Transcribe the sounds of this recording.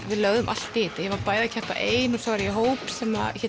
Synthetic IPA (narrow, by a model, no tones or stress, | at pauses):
vɪðlœɣðʏmʔal̥t̪ːɪɪt̪ajɛvaɾpaːjðacʰɛhpa̰ʔeːjnɔsawvɾjɛɦoːwpsɛmaçɛ